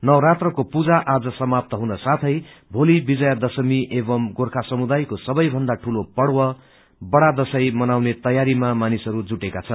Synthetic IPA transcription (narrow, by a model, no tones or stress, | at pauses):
nʌwɾat̪rʌkopud͡zaʔad͡zʌsʌmap̚t̪ʌɦunʌsat̪ʰʌj | bʱolibid͡zʌjad̪ʌsʌmiʔebʌmɡorkʰasʌmud̪ajkosʌbʌjbʱʌnd̪aʈʰulopʌɽwʌ | bʌɽad̪ʌsʌjmʌnawnet̪ʌjaɾimamanisʌɾud͡zuʈekat͡sʰʌn